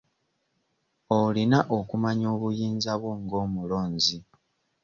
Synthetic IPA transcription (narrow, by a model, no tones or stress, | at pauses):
olinaʔokumaɲoːβujiːnzaβwo̞ŋɡo̞ːmulo̞ːɲzi